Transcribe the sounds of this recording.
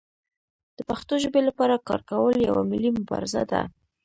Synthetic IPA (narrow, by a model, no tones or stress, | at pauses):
d̪̥əpaxt̪oʒbelapɑɾakɑ̰ɾkawəlja̰wamɪlimʊbɑ̰ɾɪza̰d̪a̰